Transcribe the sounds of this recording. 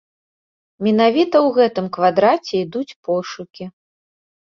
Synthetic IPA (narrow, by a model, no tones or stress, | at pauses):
mʲɛnavʲit̪ɐwɣɛt̪ɨmkvad̪ɾat͡sʲɛid̪ut͡sʲpɔʂukʲi